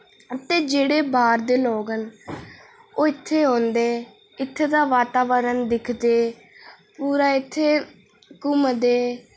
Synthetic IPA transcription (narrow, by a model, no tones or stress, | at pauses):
ət̪eːd͡ʒeːɽeːbaːɾd̪eːloːɡən | oːɪt̪ʰːeːɦõːnd̪eː | ɪt̪ʰːeːd̪aːʋaːt̪aːʋəɾənd̪ɪkʰd̪eː | puːɾaːɪt̪ʰːeː | kʊmd̪eː